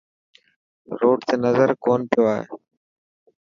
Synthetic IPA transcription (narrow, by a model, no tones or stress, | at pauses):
ɾoːʈt̪eːnəzəɾkoːnpɪjoːaːɦḛː